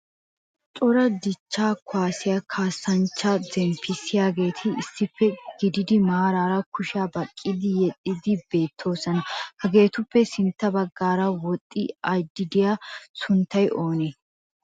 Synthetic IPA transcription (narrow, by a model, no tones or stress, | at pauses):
t̪ʼɔɾɐd̪ɪt͡ʃːaːkʊaːsɪjakʰaːsːɐnt͡ʃːɐd͡zɛmfɪsɪjaːɡe̞ːt̪ʰɪɪsːɪpːɛɡ̥ɪd̪ɪd̪ɪmaːɾaːɾɐkʰʊʃɪaːbɐkʼːɪd̪ɪjɛt̪ʼːɪd̪ɪbe̞ːt̪ʰːo̞ːsɐnɐhɐɡe̞ːt̪ʊpːɛsɪnt̪ːɐbɐɡːaːɾɐwɔt̪ʼːɪɐjd̪ːɪd̪ɪjasʊnt̪ːɐjʔo̞ːne